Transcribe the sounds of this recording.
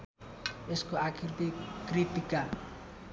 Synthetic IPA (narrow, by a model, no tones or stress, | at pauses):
eskoakʰirt̪ikrit̪ika